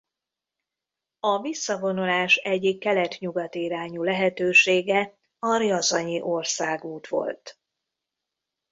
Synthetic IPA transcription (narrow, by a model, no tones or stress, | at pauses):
ɒvisːɒvo̞nulaːʃɛɟːikːɛlɛt̪ɲuɡɒt̪iːɾaːɲulɛɦɛt̪øːʃeːɡɛ | ɒɾiɒzɒɲiʔo̞rsaːɡuːt̪ʋo̞̰lt̪